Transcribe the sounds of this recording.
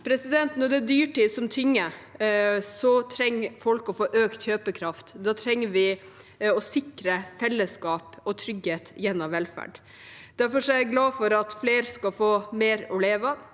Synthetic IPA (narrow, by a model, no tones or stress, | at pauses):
pʰɾɛsɪd̪ɛnt̪nɔɖɛæd̪yːʈiːsɔmt̪ʰʏŋːə | sɔt̪ʰɾɛŋːfɔlkɔfoːʔøːkt̪çøːpəkʰɾɑft̪d̪ɑːt̪ʰɾɛŋːəɾʋɪ | ɔsɪkɾəfɛlːəskɑːpɔt̪ʰɾʏɡheːt̪jɛnːɔʋɛlfæ̰ɖ | d̪̥æɾfɔʂɔæɡlɑːfɔɾɑt̪fleːɾskɑfoːmeːɾɔleːʋə